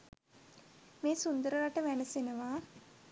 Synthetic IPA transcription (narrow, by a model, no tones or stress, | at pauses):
meːsund̪əɾəɾaʈəʋænəsenəʋaː